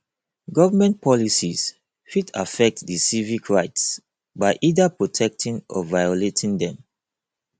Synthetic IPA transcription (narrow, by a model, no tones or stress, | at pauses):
ɡɔvamɛ̃npʰɔlisiz | fita̰fɛk̚tdəsivikʰɹaɪts | baɪʔidapɹɔtʰɛk̚tʰĩŋɔ̰vajoletʰĩŋdɛ̃m